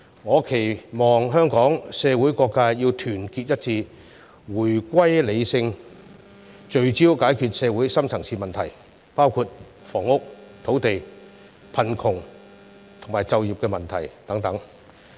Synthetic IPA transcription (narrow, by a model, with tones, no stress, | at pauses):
ŋɔː˨˧kʰe˨˩jmɔː˨ŋɦœː˥ŋkɔː˨˥ŋsɛː˨˧wu˨˥jkɔː˧kːaː˥jiː˧wt̪ʰyː˨˩nkiː˧t̚jɐ˥t̚t͡siː˧ | wuː˨˩jkʷɐ˥jle˨˧jsɪ˧ŋ | t͡ʃɵ˧ɥt͡siː˥wkaː˨˥jkʰyː˨˧t̚sɛː˨˧wuː˨˥jsɐ˥mt͡sʰɐ˨˩ŋsʰiː˨˩mɐ˨nt̪ʰɐ˨˩j | paː˥wkʰuː˧t̚ | fɔː˨˩ŋʊ˥k̚t̪ʰo˨˥wt̪e˨j | pʰɐ˨˩nkʰʊ˨˩ŋ | t̪ʰʊ˨˩ŋmaː˨˩jt͡sɐ˨˧wjiː˨p̚kɛː˧mɐ˨˩nt̪ʰɐ˨˩jt̪ɐ˨˥ŋt̪ɐ˨˥ŋ